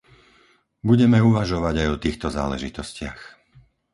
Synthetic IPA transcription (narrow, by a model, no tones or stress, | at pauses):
buɟɛmɛuʋaʒɔʋaɟajɔt̪iːxt̪ɔza̰ːlɛ̰ʒit̪ɔscɪa̰x